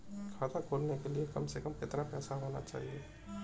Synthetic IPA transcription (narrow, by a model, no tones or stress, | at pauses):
kʰaːt̪akʰoːlnekeliekɐmsekɐmɪt̪napɛːsaɦoːna̰t͡ʃa̰ːɦieː